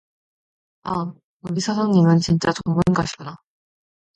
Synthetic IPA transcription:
a | oɡisʰasʰʌŋɲimɯnt͡ɕint͡ɕ͈at͡ɕomɯnɡaɕʰina

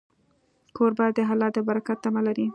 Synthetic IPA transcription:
kʰoɾbɑjad̪d̪əɦalɑd̪əbaɾakat̪ːamalaɾi

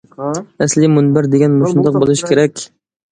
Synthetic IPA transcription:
ɛslɪmunbæɾd̪eɡʲɛnmusund̪əq̚bolˠɨʃkʲʰeɾɛkʲ

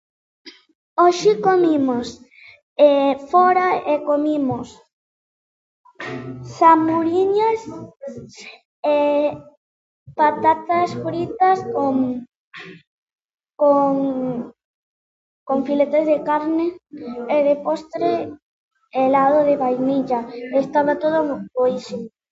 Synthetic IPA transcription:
oʃikomimos | efoɾaekomimos | samuɾiɲas | e | pat̪at̪asfɾit̪askoŋ | koŋ | koɱfilet̪ezðekaɾneeðepost̪ɾe | elaðoðeβajmiʎaest̪aβat̪oð̞omupoiʃo

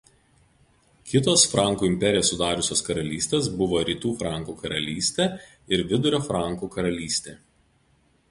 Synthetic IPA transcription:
kʲɪt̪oːsfɾɑˑŋˑkuːɪmʲpʲɛɾʲɪjoːsːʊd̪ɑːɾʊsʲoːskɐɾɐlʲiːsʲt̪ʲeːs̬bʊʋoːɾʲiːt̪uːfɾɑˑŋˑkuːkɐɾɐlʲiːsʲt̪ʲeː | ɪɾʋʲɪd̪ʊɾʲoːfɾɑˑŋˑkuːkɐɾɐlʲiːsʲt̪ʲeː

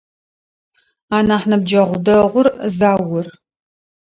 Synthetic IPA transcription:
aːnaːħnɐb̚d͡ʒɐʁʷʊdɐʁʷʊrzaːwʊr

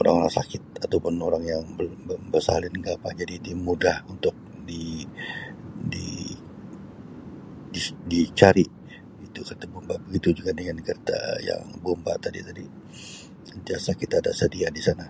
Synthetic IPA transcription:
oɾa̰ŋoɾa̰ŋsakɪt̪̚at̪awpʊnoɾaŋjaŋbəbəbərsa̰lɪnɡapa̰d͡ʒadidimudahunt̪ʊk̚ | di | di | didit͡ʃaɾi | it̪ukərt̪abombabəɡit̪ud͡ʒuɡadəŋankərt̪a̰ja̰ŋbomba̰t̪adḭt̪adi | ənt̪iasakit̪ada̰sədiadisana

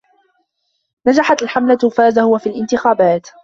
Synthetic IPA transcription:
nad͡ʒaħat̪alħamlat̪faːzahʊwafiːlʔɪnt̪ɪxaːbaːt̪

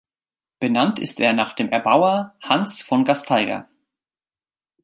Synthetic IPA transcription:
b̥ənantʰɪ̰steːɐnaːχd̥eːmʔɛɐbaʊɐhansfɔnɡastʰaɪɡɐ̰

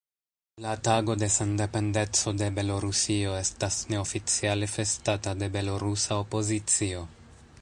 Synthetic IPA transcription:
lataɡo̞de̞sende̞pe̞nde̞t͡so̞de̞be̞lo̞ɾusio̞e̞stasne̞ofit͡sialefe̞statade̞be̞lo̞ɾusaopo̞zit͡sio̞

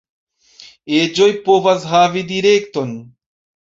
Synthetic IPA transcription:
eːd͡ʒojpovɐzɦaːvid̪iɾeːkt̪on

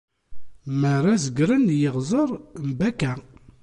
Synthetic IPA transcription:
məɾˤazəɡɾənjəʁzˤəɾˤmbækæ

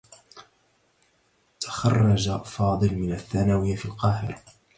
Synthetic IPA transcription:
t̪ʰḁxɑ̰rˤːɑd͡ʒafɑːd̪ˤɨlmɪnaθːanaːwɪjafilqɑːhɪ̰ɾ

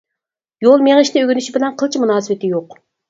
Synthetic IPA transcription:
jolˠmeŋɨʃnɪøɡʲynyʃibɪlɛnqʰəlˠt͡ʃʰimunɑːsɨwɪt̪ɪjoq

